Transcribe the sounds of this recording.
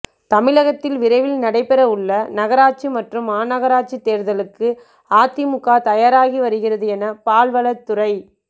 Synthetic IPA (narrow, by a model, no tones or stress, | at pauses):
t̪ɐmɪlɐɣɐt̪ːɪlʋɪɾɐɪʋɪlnɐɽɐɪpɛɾɐɯɭːɐnɐɣɐɾaːt͡ʃimɐʈrɯmaːnɐɣɐɾaːt͡ʃːit̪ːeːɾðɐlɯkːɯ | aːt̪ːimʊkːaːt̪ɐjaːɾaːɣiʋɐɾɯɣɪrɐðɯɛnɐpaːlʋɐɭɐt̪ːʊrɐɪ